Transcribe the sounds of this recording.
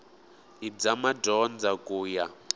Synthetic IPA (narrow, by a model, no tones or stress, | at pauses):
id͡zamadɔnd͡zakʼuːja